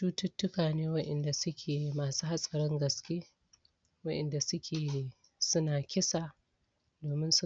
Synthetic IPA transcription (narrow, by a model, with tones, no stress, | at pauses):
tuː˦tʊ˦tːʊ˦kaː˨neː˦wɐ˦ʔɛ˨nda˨sʊ˦kʲʰeː˨maː˨suː˦ha˦sʼɐ˨ɾɪ˦ŋɡɐ˨skʲeː˦ | wɐ˦ʔɛ˨nda˨sʊ˦kʲʰeː˨ | sʊ˦naː˨kʲɪ˦sa˨ | doː˨mɪ˦nsʊ˦